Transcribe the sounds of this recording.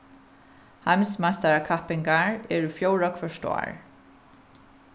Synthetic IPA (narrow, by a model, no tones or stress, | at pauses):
hamsmast̪aɹakʰahpɪŋkaɹɛːɹufjoːwɹɔkʰfœʂt̪a̰ːɹ